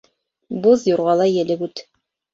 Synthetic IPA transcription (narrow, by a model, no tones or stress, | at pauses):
bozjoɾʁɑlˠɑjɘ̆lɘbʉt̪